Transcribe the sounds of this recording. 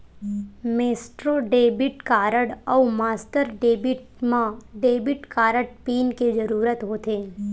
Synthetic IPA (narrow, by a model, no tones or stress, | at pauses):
meːsʈɾoɖeːbɪʈkaːɾəɽɔːmaːsʈəɾɖeːbɪʈ | mãɖeːbɪʈkaːɾəɽpiːnked͡ʒəɾuːɾət̪ɦoːt̪eː